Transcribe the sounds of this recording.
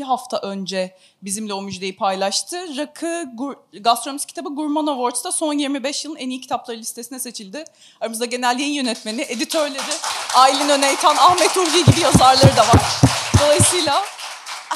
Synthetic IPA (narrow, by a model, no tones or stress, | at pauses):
iɦaft̪ʰaʔø̞nd͡ʒɛ | bizimlʲɛo̞myd͡ʒd̪e̞jipʰajlˠaʃt̪ʰɯɾakʰɯɡuɡast̪ɾomʲiscʰʲi̥t̪ʰabɯɡuɾmanovoɾt͡ʃ̪t̪ʰaso̞njiɾmibɛʃjɯlˠɯnɛnijicʰi̥t̪ʰaplˠaɾɯlʲist̪ʰe̞sinɛse̞t͡ʃʰilʲd̪ɪ | aɾamɯzd̪aɟe̞nælʲːijinjø̞nɛt̪me̞nɪʔe̞d̪it̪ʰø̞ɾlʲe̞ɾɪaːilʲinønejt̪ʰænahmɛt̪uvijɟibijazaɾlˠaɾɯd̪avaɾ̥d̪o̞lˠajsɯːlʲˠa